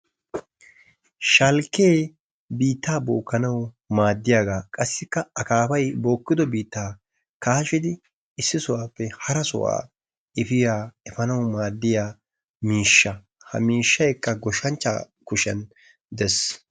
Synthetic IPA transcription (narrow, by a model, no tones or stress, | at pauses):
ʃɐlkːeː | biːt̪ːaːboːkːɐnɐw | maːd̪ːɪjaːɡaːkʼɐsːɪkːɐɐkaːpɐjbo̞ːkːɪd̪ɔbiːt̪ːaː | kaːʃɪd̪ɪ | ɪsːɪsʊwaːpːɛhɐɾɐsʊ̰wa̰ː | ɪfɪjaːɛfɐnɐwmaːd̪ːɪjaː | miːʃːɐ | hɐ̰miːʃːɐjkːɐɡɔʃɐnt͡ʃːa̰ | kʊʃɛ̰n | d̪ɛs